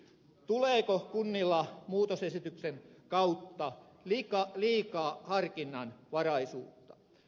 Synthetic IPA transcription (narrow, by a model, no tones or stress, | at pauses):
t̪uleːkokunːilːɑmuːt̪osesit̪ykseŋkɑut̪ːɑ | likɑliːkɑːhɑrkinːɑnʋɑrɑisuːt̪ːɑ̥